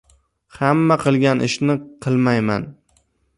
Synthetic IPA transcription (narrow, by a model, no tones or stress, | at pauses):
hamːaqʰɨlˠɡʲanʔɪ̰ʃnɪqʰɨlˠmajma̰n